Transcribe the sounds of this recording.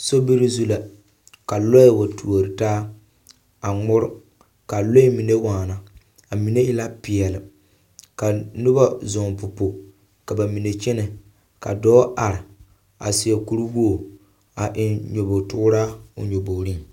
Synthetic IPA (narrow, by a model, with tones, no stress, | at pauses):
so˦bi˦ɾi˦zu˦la˨ | ka˨lɔ˦ɪ˦˨wa˨tu˨o˨ɾɨ˨taː˦ | a˨ŋʊ˦ɾɪ˦ | ka˨lo˦ɪ˦mi˨ne˦waː˨na˨ | a˨mi˨ne˦jɪ˦la˦pɪ˨ɛ˨lɪ˨ | ka˨nʊ˦ba˦zʊ˨ŋpʊ˨po˨ | ka˨ba˨mi˨ne˨t͡ʃɛ˦nɛ˨ | ka̰˨dɔː˦ʔa˨ɾɪ˨ | a̰˨sɪ˨ɛ˨ku˦ɾu˦wo˦˨ | a˨ʔɪ˨nɲo˨bo˨tʊ˦ɾaː˦ʊ̰˨ɲo˨bo˨ɾi˦ŋ